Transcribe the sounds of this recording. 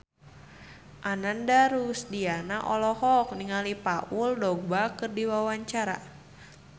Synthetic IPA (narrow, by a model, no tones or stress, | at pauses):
ʔanandaɾusdianaʔɔlɔhɔk̚niŋalipaʔuldɔɡ̚bakɨrdiwawaɲt͡ʃaɾa̰